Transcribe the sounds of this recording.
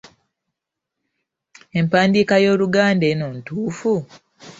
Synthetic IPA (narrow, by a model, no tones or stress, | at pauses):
e̞mpaːndiːkajo̞ːluɡaːnde̞ːnoːntuːfu